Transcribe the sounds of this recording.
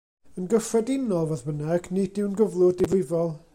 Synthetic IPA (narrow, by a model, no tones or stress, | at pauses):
ənɡəfrɛdɪnɔlˠvɛðbənɛɡnidɪwnɡəvlˠʊdɪvlɪvɔlˠ